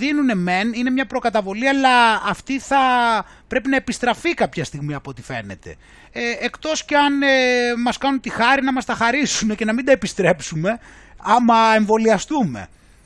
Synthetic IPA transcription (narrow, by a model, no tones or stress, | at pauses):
ðinune̞me̞nine̞mɲɐpɾo̞kɐt̪ɐvo̞liɐlɐːft̪iθɐ | pɾe̞pinɐe̞pist̪ɾɐfikɐpçɐst̪iɣmiɐpot̪ife̞̰ne̞̰t̪e̞̰ː | kt̪o̞sceɐnemɐskɐnunt̪ixɐɾinɐmɐst̪ɐxɐɾisunece̞nɐmind̪ɐepist̪ɾe̞psume̞ | ɐmɐe̞ɱvo̞liɐst̪ume̞̰